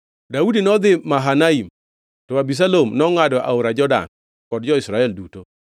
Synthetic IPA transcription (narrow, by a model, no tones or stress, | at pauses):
daudinɔd̪ɪmaɦanaim | tɔwabis̬alomnɔŋadɔʔa̰oɾad͡ʒɔda̰n | kɔd̚d͡ʒɔɪsɾaɛlduto